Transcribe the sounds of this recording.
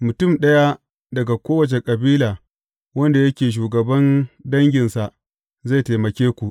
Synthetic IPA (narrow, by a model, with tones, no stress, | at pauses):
mʊ˨tʊ˦˨mɗɐ˦ja˦ | dɐ˨ɡa˨kʷoː˦wɐ˨t͡ʃe˨kʼɐ˨biː˦laː˨ | wɐ˦nda˨jɐ˦kʲeː˨ʃ̬uː˨ɡɐ˨bɐ˦ndɐ˦ŋɡʲɪ˨nsa˨ | za˦˨ta˨mɐ˨kʲeː˦kʷu˨ʔ